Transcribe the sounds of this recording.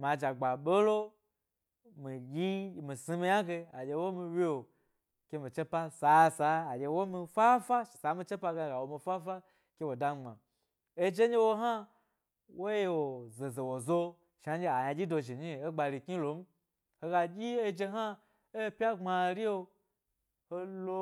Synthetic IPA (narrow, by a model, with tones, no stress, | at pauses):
m˨a˨d͡ʒa˨ɡ͡ba˨ɓo˦lo˦ | mi˨jʲi˦˨mi˨si˧mi˧ɲa˦ɡe˧a˨d͡ʒʲe˧wo˦mi˧wʲi˦wo˨ | kʲe˧mi˨t͡ʃe˦pa˦sa˨˦saː˨˦˨jʲe˧wo˦mi˧fa˦fa˦ʃsa˨˦mi˧t͡ʃe˦pa˧ɡe˧˨ɡa˨wo˧mi˧fa˦fa˦ | kʲe˧wo˨da˧˦ŋ͡ma̰˨ | e˧d͡ʒe˦ɲi˦wo˧ɦa˦ | wo˦je˧wo˨ze˨ze˨wo˨zo˧ | ʃa˨˦d͡ʒe˧a˨ɲa˧d͡ʒʲi˦do˧ʒi˨ɲi˦˨e˦ɡ͡ba˧ɾi˧ki˦lo˨˦m̩˦ | ho˧ɡa˧d͡ʒʲi˦e˦˧d͡ʒe˧ɦa˦ | e˦˧pʲa˦ŋ͡ma˧ɾi˦o˧ | ho˧lo˧